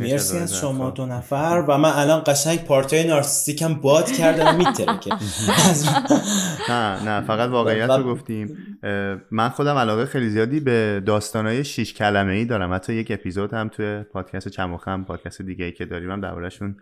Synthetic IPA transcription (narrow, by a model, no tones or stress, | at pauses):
meɾsiæzʃomɒːd̪onæfæɾvæmænælɒnɢæʃæŋɟpʰɒːɾt̪ʰɒjenɒɾsi̥st̪icæmbɒːd̪̥cʰæɾd̪æmːit̪ʰːeɾæ̰cʰeæzu | nænæfæɣæt̪vɒːɣeijæt̪ɾoɡoft̪im | mænxod̪æmælɒːɣexejlizijɒːd̪iːbed̪ɒːst̪ɒːnɒːjeʃiʃcʰælæmeiːd̪ɒːɾæmhæt̪ʰːɒːjece̞pʰizod̪hæmt̪ʰujepʰɒːd̪̥cʰæst̪et͡ʃʰæmoxæmpʰɒːd̪̥̚cʰæst̪ed̪iːɟeiːcʰed̪ɒːɾiːmæmd̪æ̰ɾbɒ̰ːɾæʃun